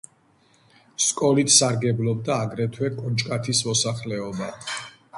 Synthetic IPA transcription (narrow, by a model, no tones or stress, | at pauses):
skʼɔlit̪ʰsaɾɡɛblɔb̚d̪aːɡɾɛt̪ʰwɛkʼɔnt͡ʃʼkʼat̪ʰismɔsaχlɛɔba